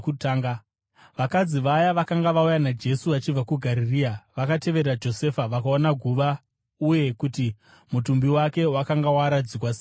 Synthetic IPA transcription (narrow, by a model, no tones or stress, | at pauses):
kutaːŋɡa | ʋakad͡ziʋajaʋakaŋɡaʋaujanad͡ʒe̞suʋat͡ʃib͡vakuɡʱaɾiriːaʋakate̞ʋe̞ɾrad͡ʒo̞se̞faʋakaonaɡʱuʋa | uje̞kuti | mutumbiwake̞wakaŋɡawaɾad͡zikwase